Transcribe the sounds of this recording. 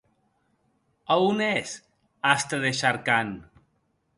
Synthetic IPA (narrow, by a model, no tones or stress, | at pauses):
aunes | ast̪eðeʃaɾkan